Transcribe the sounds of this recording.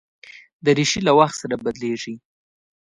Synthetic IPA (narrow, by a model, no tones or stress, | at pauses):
d̪əɾiʃilawaxt̪saɾabad̪leʐi